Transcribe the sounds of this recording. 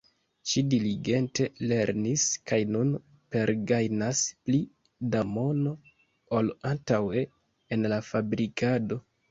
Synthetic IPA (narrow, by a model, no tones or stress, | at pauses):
ʃidiliɡe̞nte̞le̞ɾniskajnun | pe̞ɾɡajnaspli | damo̞no̞ | olantawe̞ː | nlafabɾikʰado̞